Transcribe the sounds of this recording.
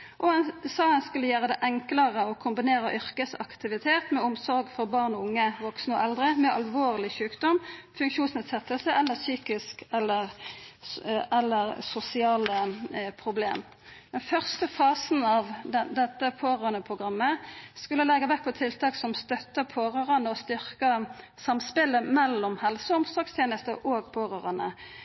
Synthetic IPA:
ʔɔɛnsɑːənskʉlːəjæːʁəd̪ɛʔɛŋkləʁəɔkʰʊmbɪneːɾəʔʏʁkəsɑ̰kt̪ɪʋɪt̪ʰeːt̪mɛʊmsɔɾɡfɔʁbɑʁnɔʊŋːəʋɔksnəɔʔɛld̪ʁəmɛʔɑlʋoːʁlɪçʉːkd̪ɔmfʉŋkʃuːnsneːd̪sɛt̪əlsəʔɛlːəsyːkɪskɛlːəʁ | ʔɛlːəʁsʊsɪɑːləpʰʁʊblḛːm | d̪̥ɛnfœʁst̪əfɑːsn̩ɑʋd̪d̪ɛt̪ːəpʰoːʁøːnəpʰʁʊɡʁɑmːəskʉləlɛɡəʋæk̚pʰɔt̪ʰɪlt̪ʰɑːksɔmst̪œt̪ːəpʰoːʁøːʁənəɔst̪ʏʁkə | sɑmspɪləmɛlːɔmhɛlsəʊmsd̪ɑːkst̪ʰjeːnəst̪əʔoːɡpʰoːʁøːʁɑnə̰

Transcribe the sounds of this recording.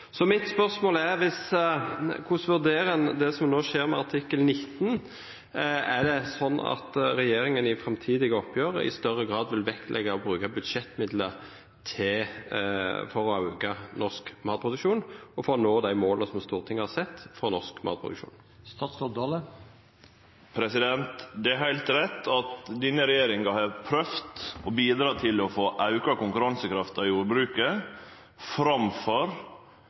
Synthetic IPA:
sɔmɪt̪spœɾsmoːlæɾʋɪs | kʰʊsʋʉʁd̪eːɾənd̪ɛsɔmnoːʃeːɾmɛɑʁt̪ʰɪkːəlnɪt̪ːn | æd̪ɛsɔnːɑ̰t̪ɾɛjeːɾɪŋənɪfɾɛmt̪ʰiːd̪ɪɡəɔpʰːjøːʁə̰ʔɪ̰st̪œrəɡʁɑːd̪ʋɪlʋɛkt̪lʔɛ̰ɡɑɔbɾʉːkɑbʉd̪ʃɛt̪ːmɪd̪lə | t̪ʰɪ | fɔɾɔɑʉɡɑnɔskmɑːt̪pʰʁʊd̪ʉkʃuːnɔfonoːd̪æɪmoːlnəsɔmst̪uːʁt̪ʰɪŋːəhɑsɛt̪ːfʁɔnɔskmɑ̰ʁt̪pʰʁʊd̪ʉ̰kʃṵːn | st̪ɑːt̪sɔd̪ɑːlə | pʰɾɛsɪd̪ɛnt̪d̪ɛæɾhæɪlt̪ɾɛt̪ːɑt̪d̪inəɾɛjeːɾɪŋɑhɑɾpʰɾœft̪ɔbiːd̪ɾɑːt̪ʰɪlɔfoːʔɑʉkɑkʊŋkʉɾɑnsəkʰɾɑft̪ɑjuːɾbɾʉːkə | fɾɑmfɔɾ

